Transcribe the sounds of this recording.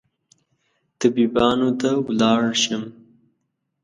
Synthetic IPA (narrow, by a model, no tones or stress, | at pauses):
t̪abibɑnot̪awlɑɽʃəm